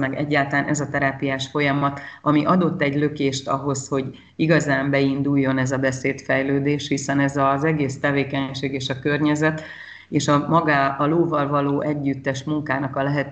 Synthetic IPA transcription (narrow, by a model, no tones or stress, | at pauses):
mɛɡɛɟːaːlt̪ɒlaːnʔɛzɒt̪ɛɾaːpijaːʃfo̞jɒmɒt̪ɒmiʔɒd̪o̞t̪ːɛɟlø̞keːʃt̪ɒɦo̞sho̞ɟ | iɡɒzaːmbɛind̪ujːo̞nɛzɒbɛseːt̪fɛjløːd̪eːʃhisɛnɛzɒzɛɡeːst̪ɛveːkɛɲʃeːɡeːʃɒkørɲɛzɛt̪ | eːʃɒmɒɡaːɒloːvɒlvɒloːʔɛɟːyt̪ːɛʃmuŋkaːnɒkɒlɛɦɛt̪